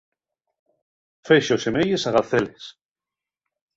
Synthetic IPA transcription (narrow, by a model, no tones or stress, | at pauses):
feʃosemejesaɣaθeles